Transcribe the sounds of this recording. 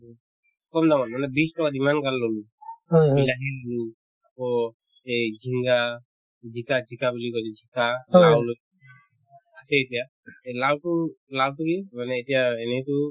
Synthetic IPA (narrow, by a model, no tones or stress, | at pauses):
kɔmdamanmanɛbistɔkadimankalːɔlu | hɦɔjɦlaɦilolu | akɔ | ed͡ʒʱiŋɡa | d͡ʒikad͡ʒʱikabilikɔd͡ʒɛd͡ʒʱikalawloj | asɛːtija | ɛlawtulawtukimanɛːtijaɛnɛjtu